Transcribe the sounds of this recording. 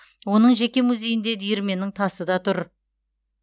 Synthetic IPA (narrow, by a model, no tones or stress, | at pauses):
wo̞nəɴʒe̞kʲe̞muzʲe̞jɪnd̪e̞d̪ijɪɾme̞nɪŋt̪ʰɑsəd̪ɑt̪ʰʊɾ